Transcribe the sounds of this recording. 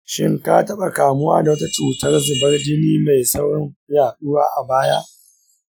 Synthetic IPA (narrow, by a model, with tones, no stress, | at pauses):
ʃɪ˦ŋka˦tɐ˦ɓa˨kaː˨mʊ˦waː˦da˨wɐ˦ta˦t͡ʃuː˨tɐ˦rzʊ˨bɐ˦rd͡ʒɪ˦niː˦ma˨jsɐ˦wɽɔ˦ŋjaː˨ɗʊ˦waː˦ʔa˨baː˦ja˦ʔ